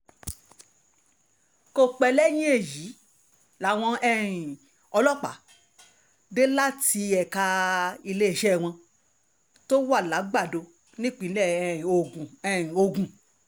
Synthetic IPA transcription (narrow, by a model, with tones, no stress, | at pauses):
ko˦˨k͡pɛ˧lɛ˦j̃ĩ˦e˦˨ji˨˦ | la˨˦w̃ɔ̃˧ɛ˦ĩ˨ | ɔ˧lɔ˦k͡pa̰˨˦ | de˦la˦ti˧ɛ˨ka˧i˧le˦˨ʃɛ˦˨w̃ɔ̃˧ | to˦wa˦˨la˨˦ɡ͡ba˦˨do˧ | nĩ˦k͡pĩ˨˦lɛ̃˦˨o˨ɡũ˨ɛ˦˨ĩ˨o˧ɡũ˨